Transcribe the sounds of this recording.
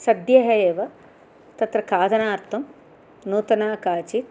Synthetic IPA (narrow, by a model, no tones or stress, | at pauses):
sɐd̪jɐɦɐeːʋɐ | t̪ɐt̪ɾɐkaːd̪ʱɐnaːɾt̪ʰɐm | nuːt̪ɐnaːkaːt͡ʃi